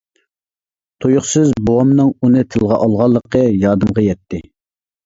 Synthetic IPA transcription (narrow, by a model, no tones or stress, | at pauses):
t̪ʰojʊχsɨzbowɑmnɨŋunɨt̪ʰɨlˠʁɑ̰ʔɑlˠʁɑlˠːəqʰəjɑːd̪ɨmʁɑjɛt̪ʰːɪ